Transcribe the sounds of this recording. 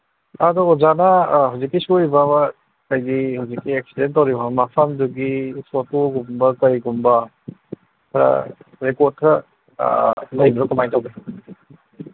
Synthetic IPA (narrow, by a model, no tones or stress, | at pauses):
adɔːzanaɦawzikːisujbab | kajdihawzikːiek̚sidentːawɾibamapʰɐmduɡisotoɡumbɐkɐɾiɡumbɐ | kʰɾɐ̰ɾekoɾt̚kʰɐ | lɐjbɐɾɔkumajtawbe